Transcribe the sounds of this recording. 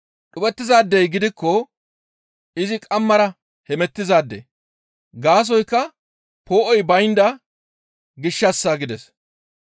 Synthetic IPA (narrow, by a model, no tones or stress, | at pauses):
ɗʊbɛt̪ːɪzaːd̪ːɛjɡɪd̪ɪkːɔ | ɪzɪkʼɐmːɐɾɐ | hɛmɛt̪ːɪzaːd̪ːḛ | ɡaːs̬ɔjkːɐ | poːʔɔjbɐjnd̪ɐ | ɡɪʃːɐsːaːɡɪd̪ɛs